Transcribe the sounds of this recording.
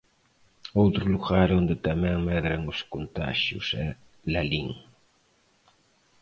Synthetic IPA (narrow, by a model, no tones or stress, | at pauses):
owt̪ɾʊluɣaɾond̪ɪt̪amɛ̃ŋmɛðɾɐŋʊskont̪a̰ʃjṵsɛ | laliŋ